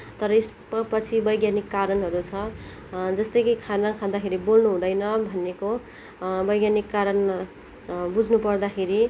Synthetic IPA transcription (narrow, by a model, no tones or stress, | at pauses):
t̪ʌɾʌes | apʌt͡sʰibʌjɡjanikːaɾʌnɦʌɾut͡sʰʌ | d͡zʌst̪ʌjkikʰanakʰad̪akʰeɾibolnuɦũd̪ʌjnʌbʱʌnːeko | bʌjɡjanikːaɾʌn | bud͡zʱnupʌrd̪akʰeɾi